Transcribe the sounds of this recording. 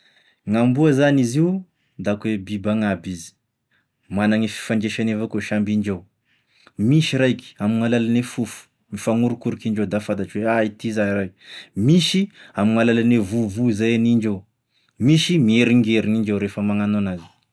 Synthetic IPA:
ŋambuazaniziu | d̪akwebibaŋabizi̥ | manaŋifi̥faɳd͡ʒeʃanevakoʃambiɳd͡ʒa | miʃiɾajki̥amiŋalalanefufu̥ | mifaŋuɾukuɾikiɳd͡ʒed̪afad̪at͡ʃiweait̪izaɾajmiʃiamiŋalalanevuvuzajaniɳd͡ʒow | miʃimieɾiŋɡeɾiŋind͡ʒewɾefəmaŋanonazi̥

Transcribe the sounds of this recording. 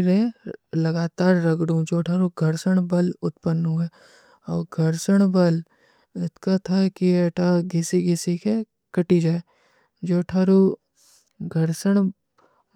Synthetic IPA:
ɾẽlɐɡaːt̪aːɾːɐɡɽũd͡ʒoːʈʰaːɾuɡʱɐɾʃəɽbɐlʊt̪pənːɦue | ɔːɡʱɐɾʃəɽ̃bɐl | ɪt̪kat̪ʰakieʈʰaɡisiɡɪsike | kɐʈid͡ʒaːe | d͡ʒoːʈʰaːɾu | ɡʱɐɾʃəɽ̃

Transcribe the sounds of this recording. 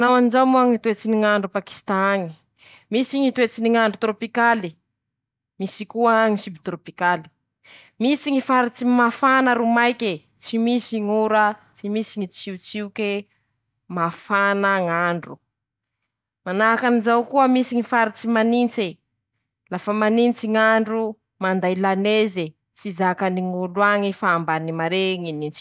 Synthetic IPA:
nawanizawmuaŋit̪et͡siniŋaɳɖ͡ʐupaki̥st̪aŋi | misiŋit̪uet͡siniŋaɳɖ͡ʐut̪ɾopikali | misikuəŋisibt̪ɾopikali̥ | misiŋifaɾit͡simafanəɾumajke | t͡simisiŋuɾət͡simisiŋit͡siut͡siuke | mafanəŋaɳɖ͡ʐu | manakanizawkuəmisiŋifaɾit͡simanint͡se | lafəmanint͡siŋaɳɖ͡ʐu | mand̪ajlaneze | t͡sizakaniŋuluaŋifaːmbanimaɾeŋinint͡si̥

